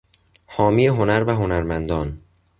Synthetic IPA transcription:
hɒːmiːeɦo̞næɾvæɦo̞næɾmænd̪ɒːn

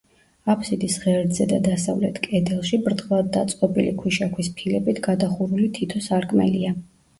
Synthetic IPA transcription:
apʰsid̪isʁɛɾd̪zɛd̪ad̪asavlɛt̪ʰkʼɛd̪ɛlˠʃibɾd̪lˠad̪̚ːat̪sʼqʼɔbʼilikʰwiʃakʰwispʰilɛbit̪ʰɡ̥ad̪aχuɾulit̪ʰit̪ʰɔsaɾkʼmɛ̰lia

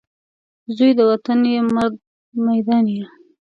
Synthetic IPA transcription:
zujd̪əwat̪anjemaɾd̚ | majd̪ɑnja

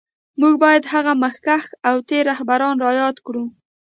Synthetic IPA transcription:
muɡbɑjad̪haɣaməxkaxawt̪eɾahbaɾɑnɾɑjɑt̪kɽu

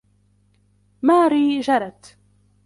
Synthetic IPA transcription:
maːɾiːd͡ʒaɾˤat̪

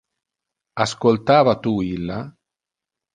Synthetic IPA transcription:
askolt̪aːvat̪uilːa

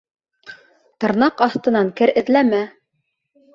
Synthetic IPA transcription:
t̪ɤ̆ɾnɑqɑθt̪ɤ̆nɑŋkɘɾɘ̆ðlæmæ

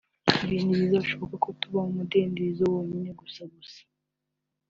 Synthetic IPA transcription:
iβiːniβizaβaʃo̞βokakotuβamumudeːndezowoɲine̞ɡusaɡusḁ

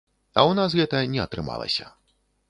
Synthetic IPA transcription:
ɐwnasɣɛt̪ɐnʲɛɐt̪ɾɨma̰lˠɐ̰sʲɐ

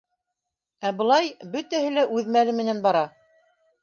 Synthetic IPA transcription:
æbɤ̆lˠɑjbɵ̆t̪æhɘlæʔʉðmælɘmɘ̆nænbɑɾɑ

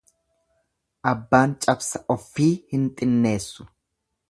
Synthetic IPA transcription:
ʔɐbːaːnt͡ʃʼɐbsɐʔɔfːiːhɪnt̪ʼɪnːe̞ːsːʊ̥

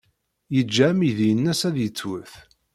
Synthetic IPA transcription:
jəd͡ʒːæmiðijənːæsæðjət͡sːwəθ

